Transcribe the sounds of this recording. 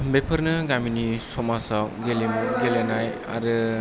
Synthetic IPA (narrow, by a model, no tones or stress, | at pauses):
bepʰəɾnɐɡaminisɔmasawɡelemuɡelenaj | a̰ɾɯ